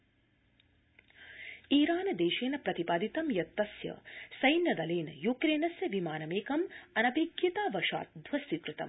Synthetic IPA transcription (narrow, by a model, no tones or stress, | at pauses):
iːɾaːnɐd̪eːʃeːnɐpɾɐt̪ipaːd̪it̪ɐmjɐt̪ːɐsjɐ̰sɐjnjɐd̪ɐleːnɐjukɾeːnɐsjɐʋimaːnɐmeːkɐmɐnɐbiːɡjit̪aːʋɐʃa̰ːt̪̚d̪ʱʋɐst̪ik̪ɾɨt̪ɐ̰m